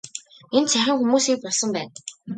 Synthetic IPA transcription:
ent͡sʰæxʲɪ̆ŋxumuːsiːk̚pɔɮsɞ̆mpæːn

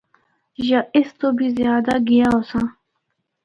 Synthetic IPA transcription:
ʒaʔɪst̪obizjɑːd̪aɡijãosã

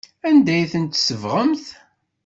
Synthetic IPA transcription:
ænd̪æjθənt̪səvʁəmθ

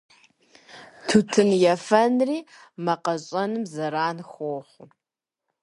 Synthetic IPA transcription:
tʰutʰɨnjɛfɐnriːmɐqɐɕʼɐnɨmzɐɾaːnxʷoːχʷʊ

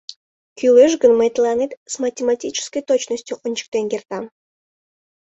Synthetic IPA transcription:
kʲyleʒɡənmejt̪lˠɑnʲet̪smɐtʲematʲit͡ɕɪ̥skəjt̪ot͡ɕnəsʲtʲjuʔonʲt͡ɕɪ̥k̚t̪enɡʲert̪ɑm

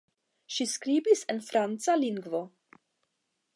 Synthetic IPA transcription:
ʃiskɾibisenfɾant͡saliŋɡvo

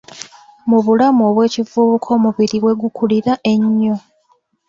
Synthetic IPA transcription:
muβulamuo̞βwe̞ːcivuːβukʰo̞ːmuβiɾiwe̞ɡukuliɾaʔe̞ɲːo̞

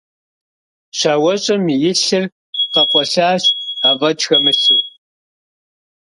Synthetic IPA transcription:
ɕaːwɐɕʼɐmjɪɬɨr | qɐqʷɔɬaːɕavɐd͡ʒxɐmɨɬɨr

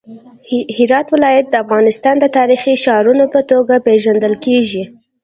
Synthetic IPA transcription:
hɪɾɑt̪wɪlɑjat̪̚d̪əafɣɑnɪst̪ɑnd̪ət̪ɑɾixiʃɑɾunopət̪oɡapeʒand̪əlkeʒi

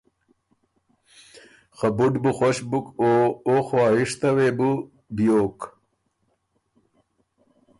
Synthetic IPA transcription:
xabuɖbuxoɕbukooːxwaːɦiʂt̪ɐweːbu | bijoːk

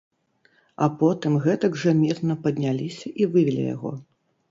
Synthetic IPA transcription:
ɐpɔt̪ɨmɣɛt̪ɐɡʐɐmʲirnɐpɐd̪ʲnʲalʲisʲɐʔivɨvʲilʲḭja̰ɣɔ̰

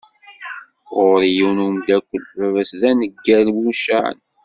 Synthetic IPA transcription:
ʁʊɾijiwnumd̪ækʷːəlævæsðænəɡːælmuʃæ̰n

